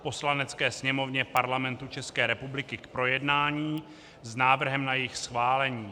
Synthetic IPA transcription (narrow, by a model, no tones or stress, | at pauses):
po̞slanɛt͡skɛːsɲɛmo̞vɲɛpaɾlamɛnt̪ut͡ʃɛskɛːɾɛpublɪkɪkpɾo̞jɛdnaːɲiː | znaːvr̩ɦɛmnajɪxsxvaːlɛɲiː